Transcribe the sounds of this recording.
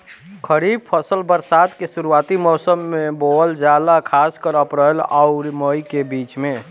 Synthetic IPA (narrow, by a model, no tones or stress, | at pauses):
kʰəɾib̚pʰəsəlbəɾsad̪kesuɾuat̪imɔsəmːebold͡ʒjad̪akʰaskəɾəpɾəlaʊɾməikebit͡ʃmẽ